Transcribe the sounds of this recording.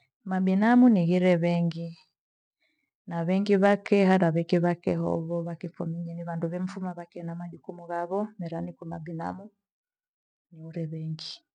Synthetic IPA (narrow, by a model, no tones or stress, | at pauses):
mabinamuniɣiɾɛβɛŋɡi | naβɛŋɡiβakɛɦaɾaβɛkɛβakɛhɔ̰βɔβakifɔmiɲɛniβanduβɛm̩fumaβakɛnamaʄukumuɣaβɔmɛɾanikumabina̰mu | niuɾɛβɛŋɡi